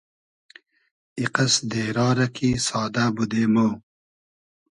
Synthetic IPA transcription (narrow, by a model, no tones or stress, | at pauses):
iqɐsd̪eːɾɑːɾɐkʰisɑːd̪abud̪eːmo